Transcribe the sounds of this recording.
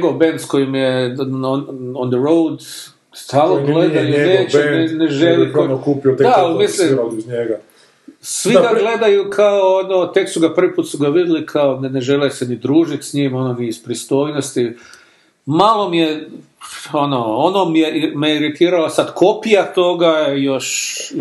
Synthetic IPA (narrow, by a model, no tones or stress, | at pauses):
ɲeɡo̞ʋbend̪sko̞jimjenond̪əɾowd̪ | st̪aːlnoɡled̪ajoneːt͡ʃeneneʒeliokupiod̪aalmisliɲeɡa | sʋiɡaɡle̞d̪ajukʰaoonot̪eksuɡapr̩ʋipuːt̪suɡaʋid̪elikʰaonneʒelesenid̪ɾuːʒit̪sɲimo̞nomiispɾist̪o̞ːjnost̪i | malˠo̞mije | onoonomijemejeiɾit̪iːɾalosad̪kʰo̞pijat̪o̞ɡaejoʃ